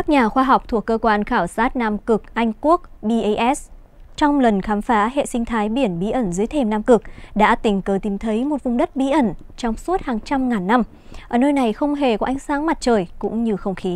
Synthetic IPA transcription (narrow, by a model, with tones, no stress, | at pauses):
kkaː˦˥k̚ɲaː˨˩xwaː˧ɦɔ˨˩wk͡p̚t̪ʰu˨˩əkːəː˧kwaː˧nxaː˧˩wsaː˦˥t̚naː˧mkɨ˨˩k̚ʔa˧jŋ̟ku˦˥ək̚ɓi˧ʔjʔɛ˦˥s | t͡ɕɔ˧wŋ͡mlə˨˩nxaː˨˦mfaː˨˦ɦḛ˧˨sï˧ŋ̟t̪ʰaː˨˦jɓi˧˩ənɓi˨˦ʔə˧˩nzɨː˨˦jt̪ʰe˧˩mnaː˧mkɨ˨˩k̚ɗa̰ː˧˥t̪ï̟˧˩kəː˨˦t̪i˨˩mt̪ʰə˨˦jmo˨˩t̚vʊ˨˧˩ŋ͡mɗə˦˥t̚ɓi˨˦ʔə˧˩nt͡ɕɔ˧wŋ͡msu˦˥ət̚haː˨˩ŋt͡ɕa˧mŋaː˨˩nːa˧m | ʔʔəː˧˩nəː˧jna˨˩jxə˧wŋ͡mɦe˧˩kɔ˨˦ʔa˨˩jŋ̟saː˨˦ŋma˨˩t̚t͡ɕəː˨˩jkʊ̰˧˥ŋ͡mɲɨ˧xə˧wŋ͡mxi˨˦